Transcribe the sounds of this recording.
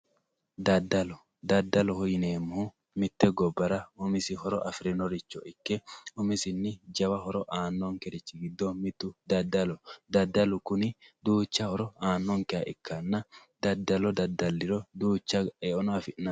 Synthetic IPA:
d̪ɐd̪ːɐlɔ | d̪ɐd̪ːɐlɔhɔjneːmːʊhu | mɪt̪ːɛɡɔbːɐɾɐɔmɪsɪhɔɾɔʔɐfɾɛnɔɾɪt͡ʃːɔʔɪkːɛɔmɪsɪnːɪd͡ʒɐwɐɦɔɾɔʔaːnːɔŋkɛɾɪt͡ʃːɪɡɪd̪ːɔmɪt̪ːʊd̪ɐd̪ːɐlɔd̪ɐd̪ːɐlʊkʊnɪd̪uːt͡ʃːɐhɔɾɔaːnːɔŋkɛjɐʔɪkːɐnːɐd̪̥ɐd̪ːɐlɔd̪ɐd̪ːɐlːɪɾɔd̪uːt͡ʃːɐɛɔnafɪnɐ

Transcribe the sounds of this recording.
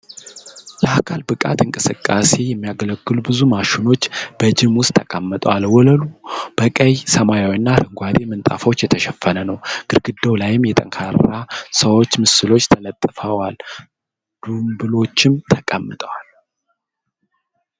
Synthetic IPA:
ləakʰalbɨkʼa̰t̪ɨŋkʼɨsɨkʼːase̞jɛmːijaɡələɡːɨlubɨzumaʃuno̞t͡ʃːb̥əd͡ʒɪmwʊst̪ʰːəkʼamːɨt̪ʼəwalwɔləlub̥əkʼəjsəmajawinːaɾɨŋɡʷad̪e̞mɨnt̪ʼa̰fo̞t͡ʃːjɛt̪ʰəʃɛfːənənəwɡ̥ɨɾɡɨd̪owlajɪmjɛt̪ʼəŋkʰaɾasəwo̞t͡ʃːmɨsɨlo̞t͡ʃːt̪ʰələt̪ʼːɨfəwal | d̪̥umbɨlo̞t͡ʃːɪmt̪ʰəkʼəmːɨt̪ʼəwal

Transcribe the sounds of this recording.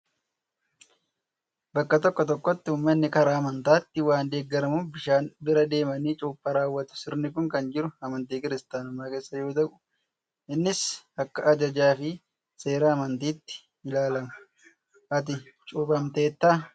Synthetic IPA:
bɐkːɐt̪ɔkːɔt̪ɔkːɔt̪ːɪʊːmːɐnːɪkɐɾaːmɐnt̪aːt̪ːɪwaːnd̪eːɡːɐɾɐmʊbɪʃaːnbɪɾɐd̪e̞ːmɐniːt͡ʃʼuːpʼːɐɾaːwːɐt̪ʊ̥sɪɾnɪkʊŋkɐnd͡ʒɪɾʊɐmɐnt̪iːkɪɾɪst̪aːnʊmːaːke̞ːsːɐjo̞ːt̪̬ɐʔʊ̥ | ɪnːɪsɐkːɐʔɐd͡ʒɐd͡ʒaːfɪ | se̞ːɾɐːmɐnt̪iːt̪ːɪ̥ | ɪlaːlɐmʊ̥ | ʔɐt̪̬ɪ | t͡ʃʼuːbɐmt̪e̞ːt̪ːaː

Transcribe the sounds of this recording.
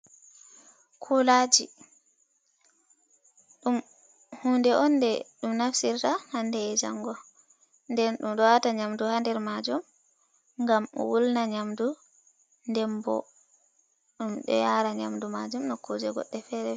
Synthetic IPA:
kʰulad͡ʒi | ɗum | hundɛʔɔndɛɗumnafsiɾtahandɛɛd͡ʒa̰ŋːɡɔ | ndɛnɗumɗɔwataɲamduhandɛɾmad͡ʒum | ŋɡamɔ̰wulnaɲamdu | ndɛmbɔ̰ | ɗumɗɔ̰jaːɾaɲa̰mdumad͡ʒumnɔkod͡ʒɛɡɔ̰ɗːɛfɛɾɛ

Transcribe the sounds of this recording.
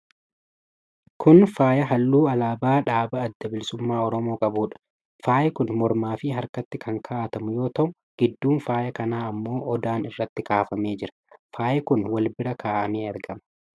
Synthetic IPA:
kʰʊnfaːjɐɦɐlːuːɐlaːbaːᶑaːbɐɐd̪ːɐbɪlɪsʊmːaːɔɾɔmo̞ːkʼɐbuːᶑɐ̥ | faːjɛkʊnmɔɾmaːfɪːɦɐɾkɐt̪ːɪkʰɐŋkʰaːt̪ɐmʊjo̞ːt̪ɐʔʊ | ɡ̥ɪd̪ːuːnfaːjɐkɐnaːɐmːo̞ːʔɔd̪aːnɪrːɐt̪ːɪkaːfɐme̞ːd͡ʒɪɾɐ̥faːjɛkʊnwɐlbɪɾɐkʰaːʔɐmeːɐɾɡɐmɐ̥

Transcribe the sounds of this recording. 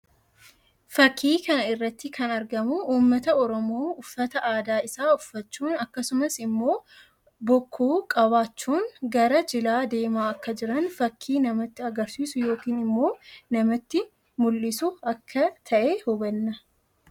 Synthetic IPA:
fɐkʰːiːkɐnɐɪrːɐt̪ːɪkʰɐnɐɾɡɐmʊuːmːɐt̪ɐɔɾɔmoːʊfːɐt̪ɐʔaːd̪aːɪsaːʊfːɐt͡ʃːuːnɐkːɐsʊmɐsɪmːo̞ː | bɔkʰːuːkʼɐβaːt͡ʃːuːnɡɐɾɐd͡ʒɪlaːd̪e̞ːmaːɐkːɐd͡ʒɪɾɐnfɐkʰːiːnɐmɐt̪ːɪɐɡɐɾsiːsʊjo̞ːkiːnɪmːo̞ːnɐmɐt̪ːɪ | mʊlːɪsʊɐkʰːɐt̪ʰɐʔeːhʊbɐnːɐ

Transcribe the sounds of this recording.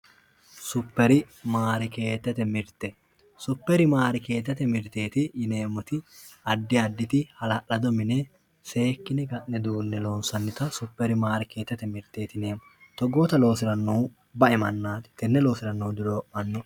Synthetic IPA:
sʊpːɛɾɪ | maːɾɪke̞ːt̪ːɛt̪ɛmɪɾt̪ɛ | sʊpːɛɾɪmaːɾɪke̞ːt̪ːɛt̪ɛmɪɾt̪e̞ːt̪ɪjɪneːmːɔt̪ɪ | ɐd̪ːɪɐd̪ːɪt̪ɪhɐlɐʔɐd̪ɔmɪnɛ | se̞ːkːɪnɛɡɐʔnɛd̪uːnːɛloːnsɐnːɪt̪ɐsʊpːɛɾɪmaːɾɪke̞ːt̪ːɛt̪ɛmɪɾt̪ːe̞ːt̪ɪneːm | t̪ɔɡoːt̪ɐlo̞ːsɪɾɐnːoː | bɐʔɛmɐnːaːt̪ɪ̥t̪ːɛnːɛlo̞ːsɪɾɐnːoːd̪ɪɾoːʔɐnːɔ

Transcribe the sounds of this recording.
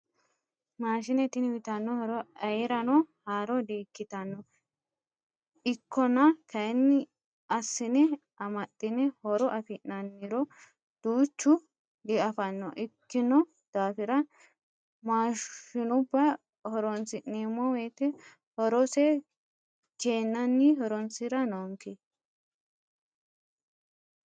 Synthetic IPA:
maːʃ̬ɪnɛt̪ːɪnwɪt̪ɐnːɔhɔɾɔɐjɛɾɐnɔhaːɾɔd̪eːkːɪt̪ɐnːɔ | ɪkʰːɔnɐkɐnːɪ | ɐsːɪnɛ | ɐmɐt̪ʼːɪnɛhɔɾɔʔɐfɪnːɐnːɪɾɔ | d̪̥uːt͡ʃːʊ | ɡɪɐfɐnːɔʔɪkːɪnɔ | d̪̥aːfɪɾɐ | maːʃʊnʊbːɐ | hɔɾɔnt͡sɪneːmɔwɛːt̪ɛ | hɔɾɔsɛ | t͡ʃeːnːɐnːɪhɔɾɔnt͡sɪɾɐnoŋke

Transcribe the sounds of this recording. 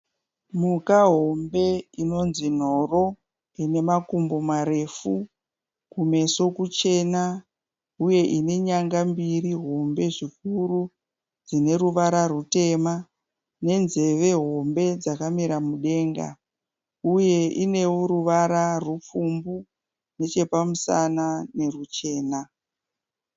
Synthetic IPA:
mukaɦo̞mbe̞ino̞nzin̤o̞ro̞ | ine̞makumbomaɾe̞fu | kume̞so̞kut͡ʃe̞na | uje̞ʔine̞ɲaŋɡambiriɦo̞mbe̞ʐik̚uɾu | d͡zine̞ɾuʋaɾarute̞ma | ne̞nze̞ʋe̞ɦo̞mbe̞d͡zakamiɾamuɗe̞ːŋɡa̰ | uje̞ʔine̞woɾuʋaɾarwup͡fumbu | ne̞t͡ʃe̞pamusanane̞rut͡ʃe̞ːna

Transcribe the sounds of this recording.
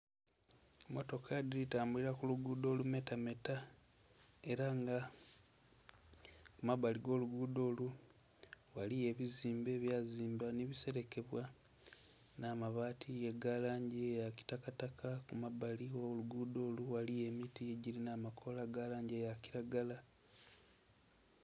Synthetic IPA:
moto̞kʰadiitaːmbuliɾakuluɡuːdo̞ːlume̞tame̞ta | e̞ɾaŋɡa | kumaβaliɡo̞ːluɡuːdo̞ːlu | walije̞βiziːmbe̞ːβjaːziːmbaniβise̞ɾe̞ke̞βwa | naːmaβaːtʰijeɡalaːɲɟejaci̥takatakakumaβalioluɡuːdo̞ːluwalije̞mitieɟilinaːmakʰo̞laɡalaːɲɟejaciɾaɡala

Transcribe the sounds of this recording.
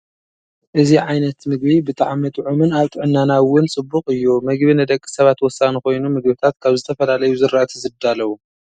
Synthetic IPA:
ʔɨziʕajnɐt̪mɨɡ̚βibɨt̪ʰʼaʕmɐt̪ʼʕumɨnaβt̪ʼɨʕɨnːanawːʊnt͡sʼɨbːʊkʼɨjːumɨɡβinɨd̪ɐkʼːi̥sɐβat̪wɔsːanixo̞jnumɨɡ̚bit̪ʰat̪kʰaβzɨt̪ʰɐfɐlalɐjuzɨɾaʔt̪ʰzɨd̪alɐwu

